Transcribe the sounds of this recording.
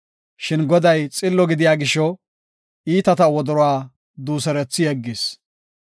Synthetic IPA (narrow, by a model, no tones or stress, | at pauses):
ʃɪnɡɔd̪ɐjt͡sʼɪlːɔɡɪd̪ɪjaːɡɪʃɔ | iːt̪ɐt̪ɐwɔd̪ɔɾɔwaː | d̪uːsɛɾɛt͡sːɪjɛɡːɪs